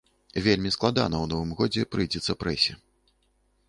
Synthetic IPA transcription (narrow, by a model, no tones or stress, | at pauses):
vʲelʲmʲisklˠad̪a̰nɐwnɔvɨmɣɔd͡zʲɛpɾɨjd͡zʲɛt̪sːɐpɾɛsʲɛ